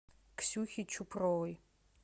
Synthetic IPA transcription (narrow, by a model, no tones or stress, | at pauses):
ksuːxʲit͡ʃʰʊpʰroj